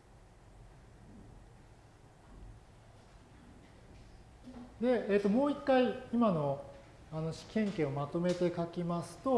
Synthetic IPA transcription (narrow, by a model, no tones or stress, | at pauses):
d̪e̞eːt̪ːo̞mo̞ːikːaiimano̞ | ano̞ɕi̥kʲẽ̞ŋke̞ːomat̪o̞me̞t̪e̞kakʲimasɨ̥t̪o̞